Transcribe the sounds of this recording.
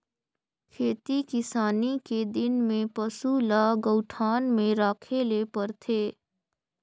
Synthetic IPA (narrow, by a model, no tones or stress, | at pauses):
kʰeːt̪ikɪsaːniked̪ɪnmẽpəsulaɡəʊʈʰaːnmẽɾaːkʰelepəɾt̪ʰeː